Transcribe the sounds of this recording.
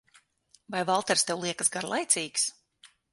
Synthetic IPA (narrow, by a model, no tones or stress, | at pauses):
vajvalˠt̪ɛɾst̪ɛwlˠiɛkasɡaɾlˠajt̪sʲiːks